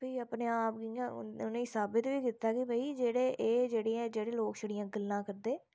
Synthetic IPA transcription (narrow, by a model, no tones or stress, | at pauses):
biːəpneːaːp̚ɡiãːʊnẽːsaːbɪt̪ʋiːkɪt̪ːaːkɪbəiːd͡ʒeːɽeːʔeːd͡ʒeːɽeːɛ̃d͡ʒeːɽeːloːkʃəɽijãːɡəlːãːkəɾd̪eː